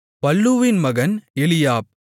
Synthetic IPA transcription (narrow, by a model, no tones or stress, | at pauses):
pɐlːuʋɪnmɐɣɐnɛlɪjaːp̚